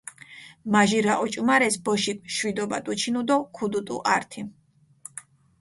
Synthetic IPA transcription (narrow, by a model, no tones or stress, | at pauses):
maʒiɾaʔɔt͡ʃʼumaɾɛsbɔʃikʃwid̪ɔbat̪ʼut͡ʃʰinud̪ɔkʰud̪ut̪ʼṵʔaɾt̪ʰi